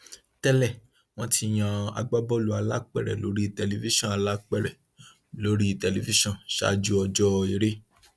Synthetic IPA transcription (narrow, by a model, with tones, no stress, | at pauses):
tɛ˦lɛ˦˨ | w̃ɔ̃˦ti˧j̃ã˧a̰˨˧ɡ͡ba˦bɔ˦lu˨˦a˧la˦k͡pɛ˦˨ɾɛ̰˨lo̰˨˦ɾi˦˧˨tɛ˨li˧˨vi˦ʃɔ̃˦˨a˨˧la˦k͡pɛ˦˨ɾɛ˨ | lo˨˦ɾi˦i˧˨tɛ˨li˨fi˦ʃɔ̃˦˨ʃa̰˦d͡ʒu˦ɔ˧d͡ʒɔ˦˧i˧ɾe˦